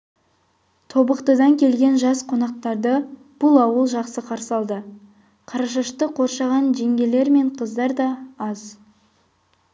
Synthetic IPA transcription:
t̪ʰo̞bəqt̪əd̪ɑŋkʲʰe̞lɡʲe̞nʒɑsqʰo̞nɑq̚t̪ɑɾd̪ə | b̥ʊlˠɑwəlˠʒɑqsəqʰɑɾsɑlˠd̪ə | qʰɑɾɑʃəʃt̪əqʰo̞ɾʃɑʁɑnʒeŋɡʲe̞le̞ɾme̞ɴqʰəzd̪ɑɾd̪ɑɑz

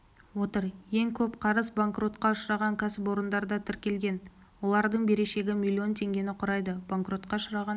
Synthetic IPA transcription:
wo̞t̪əɾje̞ŋkʲʰɵpqʰɑɾəzbaŋkro̞t̪qɑʊʃɾɑʁɑŋkʲʰæsɪpo̞ɾənd̪ɑɾd̪ɑt̪ʰɪɾkʲe̞lɡʲe̞n | wo̞lˠɑɾd̪əɴbe̞ɾe̞ʃe̞ɡʲɪmʲilʲːio̞nt̪ʰe̞ŋɡʲe̞nɪqʰʊɾɑjd̪əb̥aŋkro̞t̪̚qɑʊʃəɾɑʁɑ

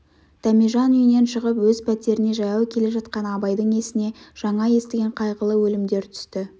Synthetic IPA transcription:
d̪̥æmiʒɑnʏjɪne̞nʃəʁəpwɵzpʰæt̪e̞ɾɪne̞ʒɑjɑwkʲʰe̞le̞ʒɑt̪qɑnɑbɑjd̪əɴe̞sɪne̞ʒ̥ɑɴɑje̞st̪ɪɡʲe̞ɴqʰɑjʁəlˠəwɵlɪmd̪e̞ɾt̪ʰʏ̥st̪ɪ

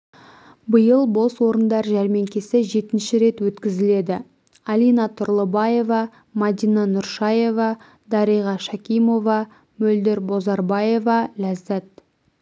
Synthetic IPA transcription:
bəjəlˠbo̞swo̞ɾənd̪ɑɾʒæɾme̞ŋkʲesɪʒe̞t̪ɪnʃɪɾe̞t̪wɵt̪kʲɪzɪle̞d̪ɪ | ɑlijnɑt̪ʰʊɾlˠəbɑje̞vɑ | mɑd̪ijnɑnʊɾʃɑje̞vɑ | d̪ɑɾijʁɑʃɑkʲijmo̞vɑ | mɵld̪eɾbo̞zɑɾbɑje̞vɑlæzːæt̪

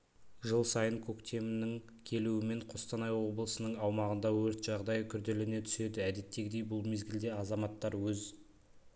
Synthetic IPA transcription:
ʒəlˠsɑjəŋkʲʰɵkt̪ʰe̞mɪnɪŋ | kʲʰe̞luɪme̞ɴqʰost̪ɑnɑjwo̞bəlˠəsənəɴɑwmɑʁənd̪ɑwɵɾt̪ʒ̥ɑʁd̪ɑjkʲʰʏɾd̪e̞lɪne̞t̪ʰʏ̥se̞d̪ɪæd̪e̞t̪ːe̞ɡʲɪd̪e̞jbʊlˠme̞zɡʲɪld̪e̞ɑzɑmɑt̪ːɑɾwɵz

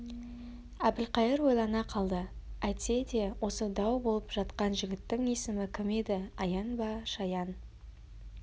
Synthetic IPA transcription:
æb̪ɪlqɑjəɾwo̞jlˠɑnɑqʰɑlˠd̪əæjt̪se̞d̪e̞wʔo̞səd̪ɑwbo̞lˠəpʒ̥ɑt̪qɑnʒɪɡʲɪt̪ːɪŋesɪmɪkʲʰɪmed̪ɪɑjɑnbɑʃɑjɑn

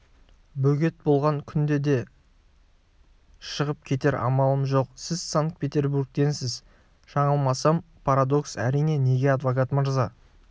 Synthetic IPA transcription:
bɵɡʲe̞t̪̚bo̞lˠʁɑŋkʲʰʏnd̪e̞d̪e̞ | ʃəʁəp̚kʲʰe̞t̪e̞ɾɑ̰mɑlˠəmʒo̞qsɪzsaŋk̚pʰʲe̞t̪ʲe̞ɾbuɾɡ̚t̪e̞nsɪz | ʃɑɴəlˠmɑsɑm | pʰaɾad̪o̞ksæ̰ɾijne̞ne̞ɡʲe̞ɑd̪vokat̪məɾzɑ

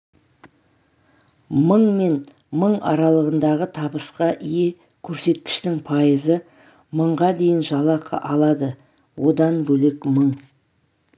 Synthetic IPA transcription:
məɴme̞n | məɴɑ̰ɾɑlˠəʁənd̪ɑʁət̪ʰɑbəsqɑʔije | kʲʰɵɾse̞t̪kʲɪ̥ʃt̪ɪŋpʰɑjəzə | məɴʁɑd̪e̞jɪnʒɑlˠɑqʰə̰ʔɑlˠɑd̪ə | wo̞d̪ɑnbɵlɪkməɴ

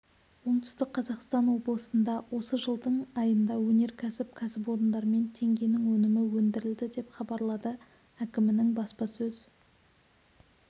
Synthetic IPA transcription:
wo̞ɴt̪ʰʏ̥st̪ɪk̚qʰɑzɑqst̪ɑnwo̞blˠəsənd̪ɑwʔo̞səʒəlˠd̪əɴɑjənd̪ɑwɵne̞ɾkʲʰæsɪp̚kʲʰæsɪp̬o̞ɾənd̪ɑɾəme̞nt̪ʰe̞ŋɡʲe̞nɪŋwɵnɪmɪwɵnd̪ɪɾɪld̪ɪd̪e̞pχɑbɑɾlˠɑd̪ə | ækʲɪmɪnɪŋbɑspɑsɵz̥

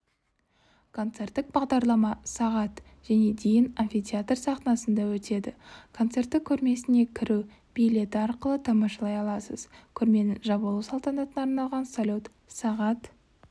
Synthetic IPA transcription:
kʰo̞nt̪se̞rt̪ːɪk̚bɑʁd̪ɑɾlˠɑmɑsɑʁɑt̪ | ʒ̥æne̞d̪e̞jɪnanfʲijt̪ʲjat̪rsɑq̪nɑsənd̪ɑwɵt̪e̞d̪ɪkʰo̞nt̪se̞rt̪ːɪkʲʰɵɾme̞sɪne̞kʲʰɪɾuw | b̥ijlʲe̞t̪ɪɑɾqəlˠət̪ʰɑmɑʃɑlˠɑjɑlˠɑsəz̥kʲʰɵɾme̞nɪʒɑbəlˠuwsɑlˠt̪ɑnɑt̪ənɑɾnɑlˠʁɑnsolʲot̪ | sɑʁɑt̪

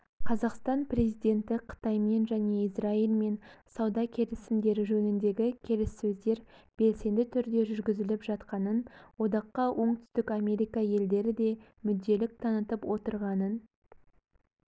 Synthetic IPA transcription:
qʰɑzɑqst̪ɑnpre̞zijd̪ʲe̞nt̪ɪqʰə̥t̪ɑjme̞nʒæne̞israilˠme̞nsɑwd̪ɑkʲʰe̞lɪsɪnd̪e̞ɾɪʒɵnɪnd̪e̞ɡʲɪkʲʰe̞lɪsːɵzd̪e̞ɾb̥e̞lse̞nd̪ɪt̪ʰʏɾd̪e̞ʒʏɾɡʲɪzɪlɪpʒɑt̪qɑnənwo̞d̪ɑqːɑwʔo̞ɴt̪ʰʏ̥st̪ɪkɑme̞ɾijkɑje̞ld̪e̞ɾɪd̪e̞mʏd̪ːe̞lɪk̚t̪ʰɑnət̪əpwʔo̞t̪əɾʁɑnən

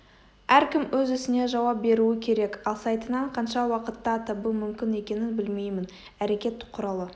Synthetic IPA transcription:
æɾkʲɪmwɵzʏsɪne̞ʒɑwɑp̚be̞ɾuɪkʲʰe̞ɾe̞kɑlˠsɑjt̪ənɑɴqʰɑnʃɑwɑqət̪ːɑt̪ɑbumʏmkʲɪne̞kʲe̞nɪnbɪlme̞jmɪn | æɾe̞kʲe̞t̪ːɪ̥kqʰːʊɾɑlˠə

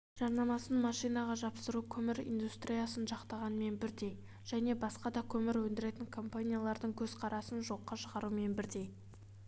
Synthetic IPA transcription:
ʒ̥ɑɾnɑmɑsənmɑʃijnɑʁɑʒɑpsəɾukʲʰɵmɪɾḭjnd̪ust̪ɾijasənʒɑqt̪ɑʁɑnəme̞nbɪɾd̪e̞j | ʒ̥æne̞bɑsqɑd̪ɑkʲʰɵmɪɾwɵnd̪ɪɾe̞t̪ɪŋkʰo̞mpanʲijalˠɑɾd̪əɴkʲʰɵzqʰɑɾɑsənʒo̞qːɑʃəʁɑɾume̞nbɪɾd̪e̞j

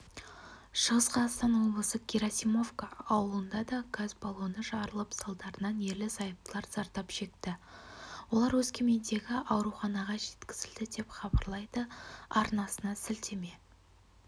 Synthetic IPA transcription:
ʃəʁəsqɑst̪ɑnwoblˠəsəkʲiɾasimo̞vkaɑwəlˠənd̪ɑd̪ɑɡazbɑlˠunəʒɑɾəlˠəpsɑlˠd̪ɑɾənɑnje̞ɾlɪsɑjəp̚t̪əlˠɑɾz̥ɑɾt̪ɑpʃe̞kt̪ɪ | wo̞lˠɑɾwɵzkʲʰe̞me̞nd̪e̞ɡʲɪʔɑwɾuχɑnɑʁɑʒe̞t̪kʲɪ̥z̥ɪld̪ɪd̪e̞pχɑbɑɾlˠɑjd̪əɑɾnɑsənɑsɪlt̪e̞me̞

